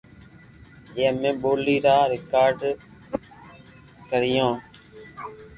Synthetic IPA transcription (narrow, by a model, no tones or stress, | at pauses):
d͡ʒẽːmẽːɓoːliːɾaːɾɪkaːɾɖ | kəɾɪjõː